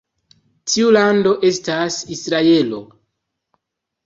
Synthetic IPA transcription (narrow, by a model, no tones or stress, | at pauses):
tʰiulando̞ʔe̞stasisɾae̞lo̞̰